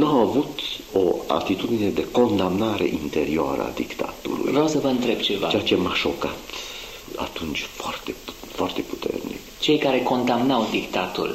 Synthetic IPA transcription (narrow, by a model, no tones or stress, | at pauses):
nuawavut̪o̞a̰t̪it̪ud̪ine̞d̪e̞ko̞nd̪amnaɾe̞̰ʔint̪e̞ɾioa̰ɾəa̰d̪ikt̪a̰t̪ṵlṵjvɾawsəvəɨnt̪ɾe̞b̚t͡ʃe̞va̰eat͡ʃemaʃo̞kat̪ | a̰t̪unt͡ʃʲfoart̪efoart̪e̞pu̥t̪ḛrnḭkt͡ʃe̞jkaɾe̞ko̞nd̪amnawd̪ikt̪at̪ṵl